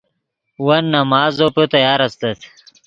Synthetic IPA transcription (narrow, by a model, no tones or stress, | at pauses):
wɐnːɐmaːzopot̪ɐjaːɾɐst̪ɐt̪ʰ